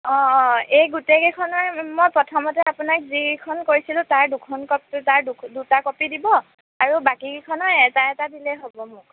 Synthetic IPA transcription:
ɔejɡutekɛkʰɔnɔjmojpɹɔtʰɔmɔtɛapunak̚zikʰɔnkoɹisilʊ̃taɹdukʰɔnkɔptaɹdudutakɔpidibɔ | aɹubakikɛkʰɔnɔjɛtaɛtadilɛɦobɔmʊk̚

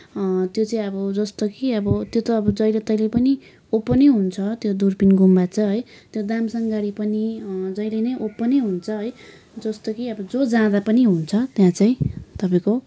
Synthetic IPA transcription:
t̪jot͡saĩʌbʌd͡zʌst̪okiʌbʌt̪jot̪ʌːbʌd͡zʌjlet̪ʌjlepʌni | opːʌneɦunt͡sʰʌt̪jod̪urpinɡumbat͡sʰʌɦʌjt̪jod̪amsʌŋɡaɽipʌnid͡zʌjlenʌjʔopːʌneɦunt͡sʰʌɦʌj | d͡zʌst̪okiʌbʌd͡zod͡zãd̪apʌniɦunt͡sʰʌt̪jãt͡saĩt̪ʌpaĩko

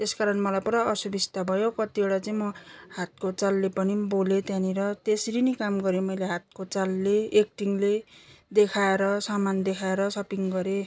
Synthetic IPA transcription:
t̪eskaɾʌnmʌlajpuɾʌʌsubist̪abʱʌjokʌt̪ieɽat͡sʌĩmʌhat̪̚kot͡salːepʌnibolet̪jãniɾʌt̪esɾinikamɡʌɾemʌjleɦat̪̚kot͡salːeːk̚ʈiŋled̪ekʰaeɾʌsamand̪ekʰaeɾʌsʌpiŋɡʌɾe

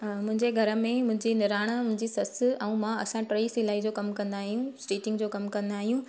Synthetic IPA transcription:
mʊ̃ɦɪ̃ɲd͡ʑeɡʱɐɾə̆mẽmʊ̃ɦɪ̃ɲd͡ʑinɪɾaːɽ̃əʊ̃ɦɪ̃ɲd͡ʑisɐsɛ̃ũmãɐsãʈɾeːsɪlaːid͡ʑoːkɐmkɐ̃nd̪aːɦijũsʈiːʈɪ̃ŋɡd͡ʑoːkɐmkɐ̃nd̪aːɦijũ

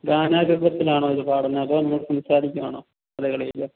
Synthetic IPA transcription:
ɡaːnaːɡubɐt̪ːilaːɳoːiðɨpaːɽɐnːɐɐpoːnɐmːɐɭsɐmsaːɾikʲːumaːɳoː | ɐðeɣɐɭejlːɐ

